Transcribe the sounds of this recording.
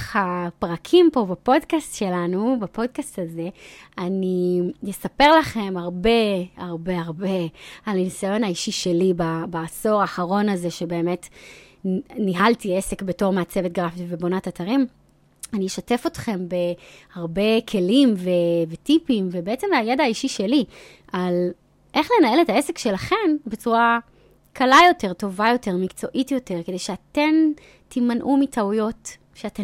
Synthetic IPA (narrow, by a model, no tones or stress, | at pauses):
hapʁakʰimpo̞bapo̞dkastʃe̞lanubapo̞d̚kastaze̞anijesape̞ʁlaχe̞maʁbe̞haʁbe̞aʁbealnisajo̞naiʃiʃe̞libabaːso̞ʁaːχaʁo̞naze̞ʃe̞be̞ːmet | niɦaltiese̞kbeto̞ʁmaat͡sevet̚ɡʁafitvebonatataʁim | anijeʃate̞fo̞tχe̞mbe̞haʁbe̞kʰe̞limve̞vetipimvebeet͡se̞majedaːiʃiʃeli | ʔal | ʔe̞χlenae̞letaesekʃe̞laχe̞mbe̞t͡suʁa | kʰalajo̞te̞ʁto̞vajo̞te̞ʁmikt͡so̞ʔitjo̞te̞ʁke̞d̪e̞jʃeate̞m | timanʔumitʰaujo̞t | ʃeate